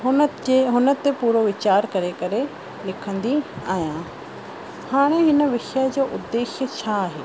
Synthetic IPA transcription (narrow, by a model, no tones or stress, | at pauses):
ɦʊɦʊnə̆t̪epuːɾoʋɪt͡ɕaːɾkɐɾekɐɾe | lɪkʰə̃nd̪iaːijã | haːɽ̃eɦɪnə̆ʋɪʃəd͡ʑoːʔʊd̪ːeːʃjət͡ɕʰaːɦeː